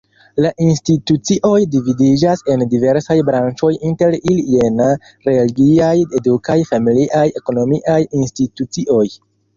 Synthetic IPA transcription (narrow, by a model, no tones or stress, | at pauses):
laʔinstitut͡siʔo̞jdividid͡ʒase̞ndive̞ɾsajbɾant͡ʃo̞jinte̞ɾile̞na | ɾe̞liɡiaje̞dukajfamiliʔaje̞ko̞no̞miʔajinstitut͡siʔo̞j